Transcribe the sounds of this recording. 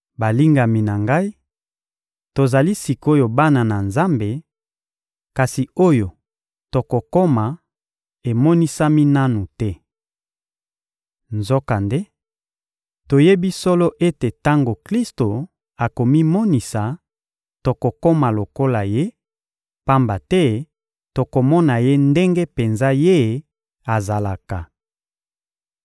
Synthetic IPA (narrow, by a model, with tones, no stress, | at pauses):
ba˨li˦ŋɡa˨mi˨na˨ŋɡa˦i˦ | to˨za˨li˦si˨ko˦jo˨ba˦na˨na˨nza˦mbe˨ | ka˨si˨o˦jo˨ | to˨ko˨ko˦ma˨ | e˨mɔ˦ni˦sa˦mi˦na˦nu˨tɛ˦ | nzo˦ka˨nde˦ | to˨je˦bi˦so˦lo˦ʔe˦te˨ta˦ŋɡo˨kli˦sto˨ | a˨ko˨mi˦mɔ˦ni˨sa˨ | to˨ko˨ko˦ma˨lo˨ko˦la˨je˦ | pa˦mba˨tɛ˦ | to˨ko˨mɔ˦na˨je˦nde˦ŋɡe˦pe˨nza˦je˦˨ | a˨za˨la˨ka˨